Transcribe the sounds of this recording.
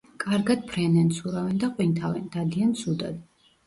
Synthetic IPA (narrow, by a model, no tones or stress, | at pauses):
kʼaɾɡad̪̥̚pʰɾɛnɛnt̪sʰuɾavɛnd̪aqʼwint̪ʰavɛnd̪ad̪iant̪sʰud̪a̰d̪